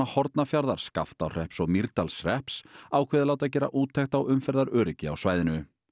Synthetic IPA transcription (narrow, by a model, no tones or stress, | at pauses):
ahɔɾt̪nafjaɾðaɾ̥ska̰ft̪awr̥ɛhpsɔɣmiɾt̪alsrɛhpsaːwkʰvɛːðɪlaːwt̪ac̬ɛːɾa̰ʔuːt̪ʰːɛxt̪awʏmfɛɾðaɾœːɾɪcɪa̰wsvaːjðɪnʏ